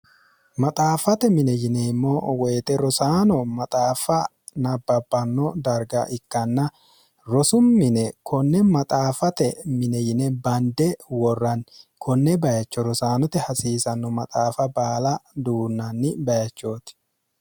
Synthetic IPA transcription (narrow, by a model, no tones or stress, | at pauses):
mɐt̪ʼaːfɐt̪ɛmɪnɛjɪnɛɪmːowɛjːt̪ʼɛɾɔsaːnɔmɐt̪ʼaːfɐ | nɐbːɐbːɐnːɔd̪ɐɾɡɐ̰ʔɪkːɐnːɐ | ɾɔsʊmːɪnɛkʰɔnːɛmɐt̪ʼaːfɐt̪ɛmɪnɛjɪnɛbɐnd̪ɛwɔrːɐnkʰɔnːɛbɐjɐt͡ʃːɔɾɔsaːnɔt̪ɛhɐsiːsɐnːɔmɐt̪ʼaːfɐbaːlɐd̪uːnːɐnːɪbɐjɐt͡ʃːoːt̪